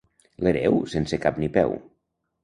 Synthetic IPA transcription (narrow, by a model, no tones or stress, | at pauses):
leɾɛ̰wsensekapnipɛ̰w